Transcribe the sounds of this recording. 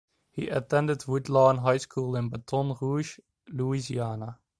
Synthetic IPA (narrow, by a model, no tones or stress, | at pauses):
hḭʔətɛ̃ndədwudlaə̃nɦajskʰuːlˠɪ̃nbətʰɔ̃nruʒ | luiziaːna